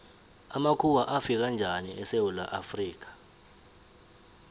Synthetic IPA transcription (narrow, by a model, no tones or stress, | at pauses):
amakʰuwaʔafik̬and͡ʒʱaniɛsewula̰ʔafriːk̬ḁ